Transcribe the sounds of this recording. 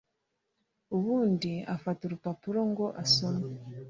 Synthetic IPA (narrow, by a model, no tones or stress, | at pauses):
uβuːndiafatuɾupapuɾoŋɡo̞ʔasoma